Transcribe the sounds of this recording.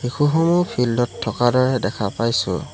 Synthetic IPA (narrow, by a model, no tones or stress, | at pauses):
hikuɦomupʰildɔtʰːɔkadɔɹɛdɛkʰapajsʊ̰